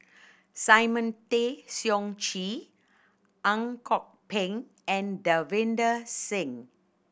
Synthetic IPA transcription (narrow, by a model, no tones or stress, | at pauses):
sajmə̃ntesjɔ̃ŋt͡ʃi | ʔãŋkʰɔk̚pɛ̃ŋ | ɛ̃ndəvɪ̃ndəsɪ̃ŋ